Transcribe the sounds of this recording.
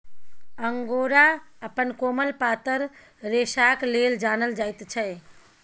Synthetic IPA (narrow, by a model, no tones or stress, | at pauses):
əŋɡoɾaəpənkoməlpat̪əɾ | ɾesakleld͡ʒanəld͡ʒajt̪t͡ʃʰəj